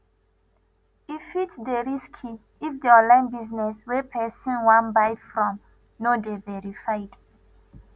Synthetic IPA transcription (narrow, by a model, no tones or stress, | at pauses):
ifitdeɹiskʰi | ifdiɔ̃nlãɪ̃nbiznɛswɛpʰɛsɔ̃nwãnbaɪfɹɔ̃m | nodevɛɹifajd̥